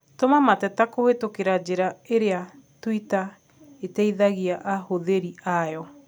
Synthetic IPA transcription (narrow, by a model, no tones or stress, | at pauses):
tomamatɛtakohetokeɾad͡ʑeɾaeɾea | twita | etɛiðaɣiaʔahoðeɾiajɔ